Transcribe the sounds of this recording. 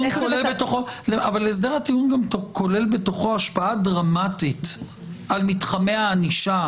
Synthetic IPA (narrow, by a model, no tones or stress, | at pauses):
ukolelbet̪oχo̞leavalːees̬d̪eʁhatiunɡamtoko̞le̞lbe̞to̞χo̞aʃpaadʁamatit | almitχameaːniʃa